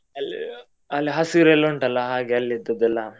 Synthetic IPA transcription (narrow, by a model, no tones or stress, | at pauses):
ɐlḭ | ɐlːiɦɐsiɾelːoɳʈɐlːɐɦaːɡeɐlːid̪ːɐd̪ɛlːa